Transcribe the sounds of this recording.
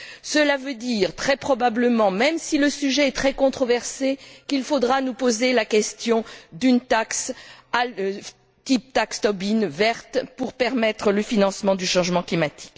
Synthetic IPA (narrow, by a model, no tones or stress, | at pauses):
səlavød̪iːʁt̪χɛpχɔbabləmɑ̃mɛmsiləsyʒɛːt̪χɛkɔ̃t̪χɔvɛʁsekilfod̪ʁanupozelakʲɛst̪jɔ̃d̪ynt̪aksa | t̪ip̚t̪akst̪ɔbinvɛʁt̪puʁpɛʁmɛt̪χələfinɑ̃smɑ̃d̪yʃɑ̃ʒmɑ̃klimat̪i̥k